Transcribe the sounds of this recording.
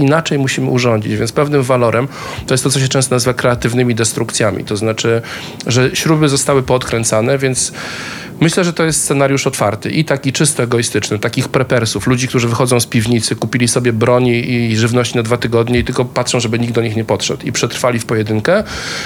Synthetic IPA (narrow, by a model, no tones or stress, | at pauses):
inat͡ʂɛjmuɕimɘuʐɔɲd͡ʑḭt͡ɕvʲjɛnspɛvnɘmvalɔɾʔɛm | t̪ɔjɛst̪ɔsɔɕ̬ɛt͡ʂɛ̃st̪ɔnazɨvakɾɛat̪ɘvnɘmʲid̪ɛst̪ɾukt̪sʲjamʲḭt̪ɔznat͡ʂɘ | ʐɛɕɾubɘzɔst̪awɘpɔt̪kɾɛnt̪sanɛvʲjɛnt̪s | mɘɕlɛʐɛt̪ɔjɛst̪ssɛnaɾʲjuʂɔt̪faɾt̪ɘʔit̪akʲit͡ʂɘst̪ɔɛɡɔist̪ɘt͡ʂnɘt̪akʲixpɾɛpɛɾsuflud͡ʑikt̪uʐɘvɘxɔd̪zɔ̃w̃spʲivɲit̪sɘkupʲilʲisɔbʲjɛbɾɔɲiiʐɘvnɔɕt͡ɕinad̪vat̪ɘɡɔd̪ɲɛit̪ɘlkɔpatʂɔ̃w̃ʐɛbɘɲiɡ̚d̪ɔɲixɲɛpɔtʂɛ̰t̪ipʂɛt̪ɾfalʲifpɔjɛd̪ɘŋkɛ